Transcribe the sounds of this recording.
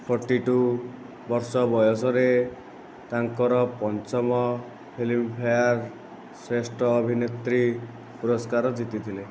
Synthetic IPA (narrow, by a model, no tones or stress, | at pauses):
pʰɔɾʈiʈu | bɔɾsɔbɔjɔsɔɾe | t̪aŋkɔɾɔpɔnt͡ʃɔmɔ | pʰelimpʰajaɾ | sɾesʈʰɔːbʱinet̪ɾi | puɾɔskaɾɔd͡ʒit̪it̪ʰile